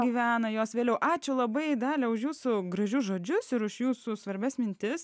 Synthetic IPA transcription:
ɡʲiːʋʲæːnɐjoːsʋʲeːlʲɛʊʔɑːt͡ʃʲʊlˠɐbɐɪd̪ɑːlʲɛʊʃjuːsʊɡɾɐʒʲʊʒoːd͡ʒʲʊsɪɾʊʃjuːsʊsʋɐɾʲbʲɛsmʲɪnʲt̪ʲɪs

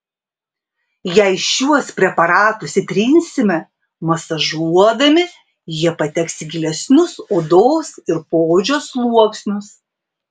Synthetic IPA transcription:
jɛɪʃʲuɔspʲɾʲɛpɐɾɑːt̪ʊsʲɪt̪ʲɾʲinʲsʲɪmʲɛ | mɐsɐʒuɔd̪ɐmʲɪ | jiɛpɐt̪ʲɛksʲɪɡʲɪlʲɛsʲnʲʊsoːd̪oːsɪɾpoːd͡ʒʲoːslˠuɔksʲnʲʊs

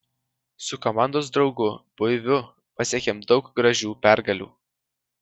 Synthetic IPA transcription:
sʊkomɑˑnd̪oːs̬d̪ɾɒʊɡʊb̥ʊɪʋʲʊ | pɐsʲiɛkʲemd̪ɒʊkɡɾɐʒʲuːpʲæˑɾɡɐlʲṵː

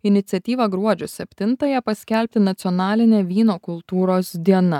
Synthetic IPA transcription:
ɪnʲɪt̪sʲɛt̪ʲiːʋɐɡɾuɔd͡ʒʲʊsʲɛpʲt̪ʲɪnt̪ɐjɛpɐsʲkʲɛlʲpʲt̪ʲɪnɐt̪sʲɪɔnɑːlʲɪnʲeːʋʲiːnoːkʊlˠt̪uːɾoːsd̪ʲiɛnɐ

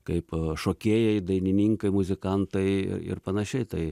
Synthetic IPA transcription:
kɐɪpʃoːkʲeːjɛɪd̪ɐɪnʲɪnʲiːŋkɐɪmʊzʲɪkɐnt̪ɐɪɪ̰ɪ̰rpɐnɐʃʲɛɪt̪ɐɪ

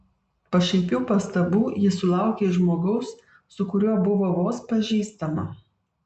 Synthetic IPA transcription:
pɐʃʲɛmʲpʲuːpɐst̪ɐbuːjɪsʊlˠɑˑʊkʲeːʒmoːɡɐʊs | sʊkʊɾʲuɔbʊʋoːʋoːspɐʒʲiːst̪ɐmɐ

